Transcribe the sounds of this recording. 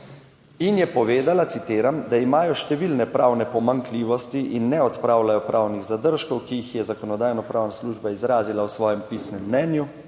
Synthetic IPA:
injɛpɔʋeːd̪alat̪sit̪eːɾamd̪aimaːjɔʃt̪ɛʋilnɛpɾawnɛpɔmaŋkliːʋɔst̪iʔinːɛɔt̪pɾaːwlajɔpɾʔaːwniɣzad̪əɾʃkɔwkiixjɛzakɔnɔd̪aːjnɔpɾaːwnasluʒbaizɾaːzilawsʋɔːjɛmpiːsnɛmːnɛːnju

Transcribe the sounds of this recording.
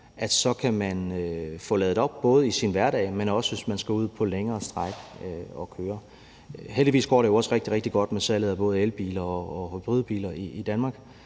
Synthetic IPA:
ʔæd̥sɒ̽kʰæmænøfɔ̽ːlɛːð̩ˠɒ̽b̥̚b̥ɔ̽ːð̞̩ˠəisinʋæɐɾɛ̰ɪmenɒ̽səʋe̝smænsɡ̥æuð̰ˠpʰɒ̽leŋɐːsd̥ʁaɡ̥øɒ̽kʰøːɐ | ɦeldiʋḭːsɡ̥ɒ̰ːɾejoɒ̽səʁeɡ̥d̥iʁɛɡ̥d̥iɡ̥ɒ̽d̥mesæləðˠɐb̥ɔ̽ːð̞̩ˠelb̥ḭːlɐɒːb̥ʁyð̞ˠb̥ḭːlɐiːd̥ænmɑ̈ːɡ̥

